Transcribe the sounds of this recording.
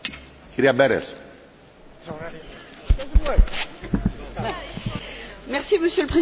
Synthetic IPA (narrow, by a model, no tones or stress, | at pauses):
ciɾiɐbeɾḛs | mɛʁsiməsjøləpχe